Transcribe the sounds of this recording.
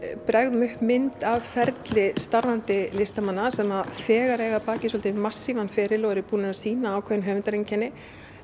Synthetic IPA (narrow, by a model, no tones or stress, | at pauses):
pɾɛɣðʏmʏhpmɪnt̪avfɛɾt̪lɪst̪aɾvant̪ɪlɪst̪amanːasɛmafɛːɣaɾɛːɣapaːcɪsɔlt̪ɪmasːivanfɛːɾɪlɔɣɛɾɪpuːnɪnasiːnaːwkʰvɛðɪnɦœːvʏnt̪aɾencʰɛnːɪ